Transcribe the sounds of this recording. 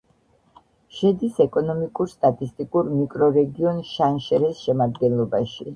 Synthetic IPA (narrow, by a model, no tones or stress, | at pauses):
ʃɛd̪isɛkʼɔnɔmikʼuɾst̪ʼat̪ʼist̪ʼikʼuɾmikʼɾɔɾɛɡiɔnʃanʃɛɾɛsʃɛmad̪ɡɛnlˠɔbaʃi